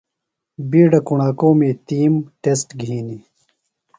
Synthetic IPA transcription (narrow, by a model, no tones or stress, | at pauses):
biːɖɐkuɳaːkoːmeːt̪iːmʈesʈɡʱiːni